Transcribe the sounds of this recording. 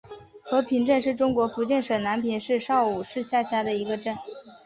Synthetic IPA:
xɤ˧˥pʰi˧˥ŋʈ͡ʂə˥˧nʂɻ̩˥˩ʈ͡ʂʊ˥ŋkwɔ˧˥fu˧˥t͡ɕjɛ˥˩nʂɤ˨˩na˧˥npʰi˨˩nʂɻ̩˥˧ʂɑ˥˩ʊu˨˩ʂɻ̩˥˧ɕja˥˩ɕja˥d̪ə˨i˧˥ɡə˧ʈ͡ʂə˥˩n

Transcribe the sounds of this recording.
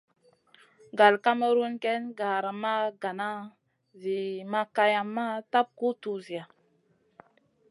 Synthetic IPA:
ɡa˨lka˦mə˦ɾu˦nke˦nɡa˨ɾa˨ma˦ɡa˨na˦ | zi˨ma˦ka˦ja˨mːa˦ta˦p̚ku˦tu˦zi˨a˨

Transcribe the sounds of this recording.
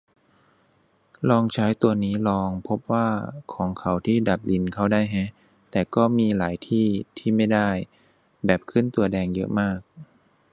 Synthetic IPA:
lɔː˧ŋt͡ɕʰaː˦˥jt̪u˧ɐniː˦˥lɔː˧ŋpʰo˦˥p̚waː˥˩kʰɔː˩˦ŋkʰa˨˩˦wt̪ʰiː˥˩da˨˩p̚li˧nkʰa˥˩wdaː˥˩jɦɛ˦˥ | t̪ɛː˨˩kɔː˥˩miː˧laː˩˦jt̪ʰiː˥˩t̪ʰiː˥˩ma˥˩jdaː˥˩j | bɛː˨˩p̚kʰɯ˥˨nt̪u˧ɐdɛː˧ŋjɤ̰˦˥ʔmaː˥˩k̚

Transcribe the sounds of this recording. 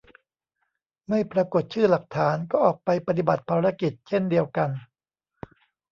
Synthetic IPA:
ma˥˩jpɾa˧ko˨˩t̪̚t͡ɕʰɯː˥˩la˨˩k̚t̪ʰaː˩˦nkɔː˥˩ʔɔː˨˩k̚pa˧jpa˧t̪̬i˨˩ba˨˩t̪̚pʰaː˧ɾa˦˧˥ki˨˩t̪̚t͡ɕʰe˥˩ndi˧əwka˧n

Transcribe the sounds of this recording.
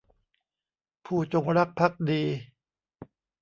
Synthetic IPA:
pʰuː˥˩t͡ɕo˧ŋɾa˦˥k̚pʰa˦˥k̚diː˧

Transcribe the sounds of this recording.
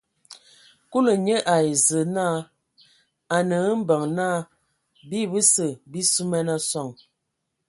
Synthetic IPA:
ku˦lə˨ɲə˦ʔa˨i˨zə˨na˦˨ | a˨nə˨˦m̩˦bə˨ŋna˦˨ | bi˦˨bə˦sə˨bi˦su˦mɛ˦na˦sɔ˦˨ŋ

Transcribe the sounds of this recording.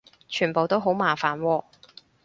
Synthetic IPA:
t͡ʃʰyː˨˩npo˨wt̪o˥wɦo˨˥wmaː˨faː˨nwɔː˧

